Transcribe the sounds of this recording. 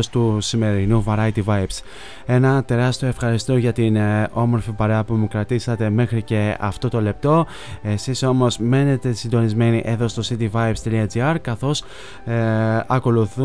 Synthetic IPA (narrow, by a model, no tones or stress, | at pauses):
st̪usime̞ɾinuvɐɾɐjt̪ivɐjps | e̞nɐt̪e̞ɾɐst̪io̞e̞fxɐɾist̪oʝɐt̪ino̞mo̞ɾfipɐɾe̞ɐpumukɾɐt̪isɐt̪e̞me̞xɾice̞ɐ̰ft̪o̞t̪o̞le̞p̚t̪o̞ | e̞siso̞mo̞zme̞ne̞t̪e̞sind̪o̞nizme̞niʔe̞ðo̞st̪o̞sit̪ivɐjpst̪iliɐd͡ziɐɾkɐθo̞s | ɐko̞luθu